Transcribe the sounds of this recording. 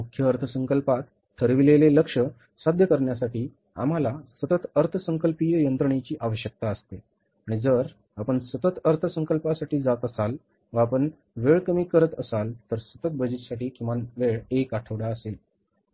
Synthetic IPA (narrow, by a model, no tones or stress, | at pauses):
mukʰːjəəɾt̪ʰəsə̃ŋkəlpat̪ | t̪ʰːəɾʋileleləkʂə | sad̪ʱjəkəɾɳjasaʈiː | a̰m̤alasət̪ət̪əɾt̪ʰəsəŋkəlpijəjənt̪ɾəɳ̃it͡ɕiːʔaʋəɕjək̚t̪aəst̪e | aɽ̃id͡zəɾ | apəɳsət̪ət̪əɾt̪ʰəsəŋkəlpasaʈiːd͡zat̪əsal | ʋaːpəɳ | ʋeɭkəmiːkəɾət̪əsalt̪əɾsət̪ət̪̚bəd͡ʑit̪saʈiːkĩw̃ʋanʋeɭekaʈʰəʋɽaəsel